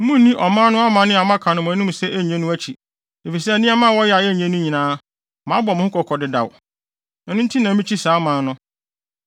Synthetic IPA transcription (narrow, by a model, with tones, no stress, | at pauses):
mũ˦n˦nĩ˦ʔɔ˨mãː˦nʊ̃˦a˦mã˨˦nɪ̃˦a˨mã˦kʰã˨nʊ̃˨m̃˨æ˨nũ˦m˨sɛ˦ʔæ˦˨ɲɛ̃˦nʊ̃˦æ˦t͡ɕʰi˨ | e˨fi˨s̬ɛ˦æ˨nĩ˦a˦mã˦˨wɔ˦jɛ˦a˨jɛ˦˨ɲɛ̃˦nʊ̃˦ɲĩ˨nãː˦ | mã˨˦bɔ˨mʊ̃˦ʊ˦kʰɔ˨kʰɔ˨dɪ˦da̰˨w | ɛ˨nʊ̃˦n̩˦tʰi˦nã˨˦mĩ˦t͡ɕʰi˦saː˨˦mã˨˦nʊ̃˦